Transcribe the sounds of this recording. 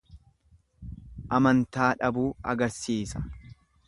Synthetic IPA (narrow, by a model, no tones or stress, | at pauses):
ʔɐmɐnt̪aːᶑɐbuːɐ̰ɡɐɾsiːsɐ̥